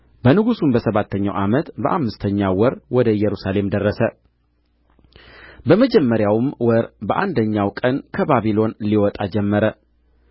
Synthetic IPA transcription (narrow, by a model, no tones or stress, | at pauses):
bənɨɡusumbəsəβat̪ʰːəɲːawʔamət̪bəʔamːɨst̪ʰəɲːawɔɾwɔd̪əjɛɾusale̞md̪ərːəsə | bəməd͡ʒɛmːəɾjawmwɔɾbəʔand̪əɲːawkʼənkʰəbaβilo̞nliwɔt̪ʼad͡ʒɛmːəɾə